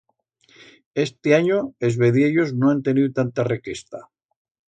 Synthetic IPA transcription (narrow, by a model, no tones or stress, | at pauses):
e̞st̪eaɲoezβe̞ðjeʎo̞znoant̪e̞niðut̪ant̪arekist̪a